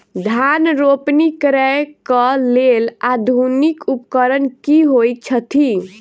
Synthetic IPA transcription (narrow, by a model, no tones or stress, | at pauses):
d̪ʱanɾopnikɾɛjkəlelad̪ʱunikupkəɾənkiɦoj̚t͡ʃʰət̪ʰi